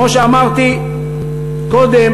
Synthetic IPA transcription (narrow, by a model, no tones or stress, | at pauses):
oʃeamaʁt̪i | kod̪em